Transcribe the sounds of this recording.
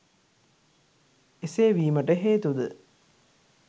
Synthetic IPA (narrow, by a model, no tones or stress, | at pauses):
eseːʋiːmɐʈəɦeːt̪ud̪ə